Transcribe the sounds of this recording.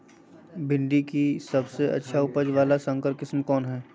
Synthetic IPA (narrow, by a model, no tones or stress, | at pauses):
bɪ̃ɳɖikisɐbseʔɐ̰tːʃʰaʊpəd͡ʒʋaːlasə̃ŋkəɾkɪsmkɔːnɦɛː